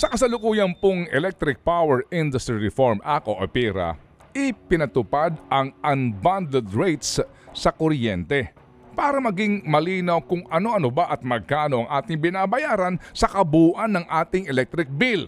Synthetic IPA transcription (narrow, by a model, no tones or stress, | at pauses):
sɐkɐsɐlʊkuːjɐnpoŋɛ̰lɛk̚t̪ɾɪk̚pawɛɹʔɪnd̪ʊst̪ɾiɹɪfoɹmʔakoʔɐpiːɾɐ̰ | ʔɪpɪnɐt̪ʊpad̪ɐŋʔɐnband̪ɛd̪ɹɛjt̪s | sɐkoɾjɛnt̪ɛ | paːɾɐmɐɡiŋmɐliːnɐwkʊŋʔɐno̞ʔɐnobaʔɐt̪̚mɐɡ̚kaːno̞ʔɐŋʔaːt̪ɪŋbɪnabɐjaːɾɐnsɐkɐbuːʔɐnːɐŋʔaːt̪ɪŋɛlɛk̚t̪ɾɪk̚bil